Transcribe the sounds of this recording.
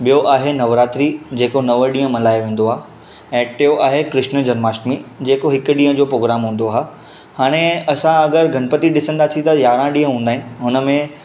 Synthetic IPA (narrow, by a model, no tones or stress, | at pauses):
ɓijoʔaːɦenɐʋɾaːt̪ɾid͡ʑeːkonɐʋəɗĩːə̃mɐlaːjʋẽːn̆d̪oaː | ɛ̃ːʈɪjoʔaːɦekɾɪʃnəd͡ʑɐnmaːʃʈmid͡ʑeːkoɦɪkʊɗĩːə̃d͡ʑoːpɾoːɡɾaːmɦũːn̆d̪oaːɦ | haːɽ̃eɐsãɐɡəɾɡʱɐnpət̪iɗɪsə̃nd̪aːsʰĩt̪ɐjaːɾãɗĩːɦə̃ɦũːnd̪aːɦɪnɪ̆ɦʊnəmẽ